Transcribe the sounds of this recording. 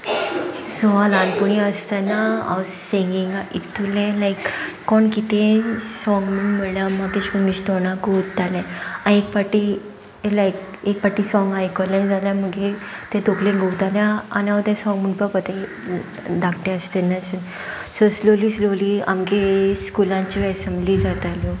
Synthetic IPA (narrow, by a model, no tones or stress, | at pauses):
soalanpuɽiəst̪anaa̰wsĩŋɡĩŋait̪ʰːulẽlajkːɔɳkit̪ẽsɔ̃ŋɡmənməɽljamakeɕkuniɕt̪ɔnaɡowtt̪alɛ̃aekpaʈːi | lajk | ekpaʈːisɔŋɡajkɔlẽd͡zaljãməɡet̪ẽt̪oklẽɡowt̪aljãa̰naʋt̪ẽsɔ̃ŋɡməɳpəpət̪e | d̪akʰʈ̪ẽəst̪enasən | sɔsloliːslolia̰mkeskulãt͡ɕiɛsemblid͡zat̪aljɔ